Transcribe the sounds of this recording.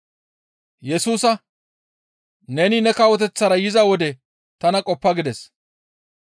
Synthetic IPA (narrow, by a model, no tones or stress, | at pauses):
jɛsuːsɐ | nɛnɪnɛkɐwɔt̪̬ɛt͡sːɐɾɐjɪzɐwɔd̪ɛ | t̪ɐnɐkʼɔpːɐɡɪd̪ɛs